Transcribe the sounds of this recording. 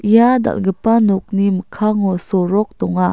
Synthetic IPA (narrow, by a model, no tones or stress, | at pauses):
ʔijada̰lɡəpanɔk̚niməkʰaŋɔsɔɾɔk̚dɔŋa